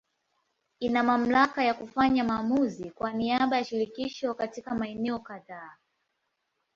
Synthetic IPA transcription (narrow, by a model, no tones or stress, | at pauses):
inamam̩lakajakufaɲamaːmuzikwaniaɓajaʃiɾikiʃɔkatikamaɛnɛɔkaðaː